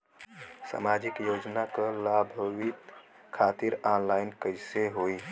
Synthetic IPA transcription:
sa̰mad͡ʒikjod͡ʒnakəlabʱəwit̪ | kʰat̪iɾanlajnkəɪseɦoi

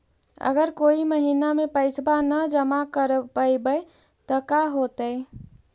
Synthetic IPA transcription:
ə̰ɡəɾkoːiməɦinamẽpəɪsbanəd͡ʒəmakəɾbəjbəe | t̪ɔkaɦot̪əɪ

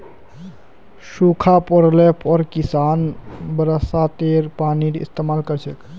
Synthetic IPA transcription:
sukʰapɔɾlepʰɔɾkisanbəɾəsat̪eɾpaniɾḭst̪emalkəɾt͡ʃʰek

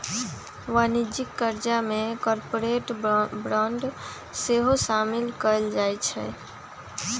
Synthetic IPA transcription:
ʋanid͡ʒikːəɾd͡ʒamekɔɾpoɾeʈbɾãɳɖ | seɦosamɪlkəld͡ʒajt͡ʃʰɛ̰

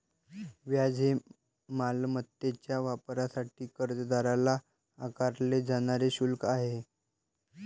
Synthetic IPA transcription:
ʋjad͡zʱe | malmət̪ːet͡ɕjaʋapɾasaʈiːkəɾt̪əd̪aɾalaː | kaɾled͡zaɽ̃aɾeɕulkaɦe

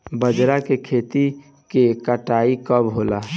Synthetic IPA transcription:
bəd͡ʒɾakekʰeːt̪i | kekəʈaːikəbɦoːla

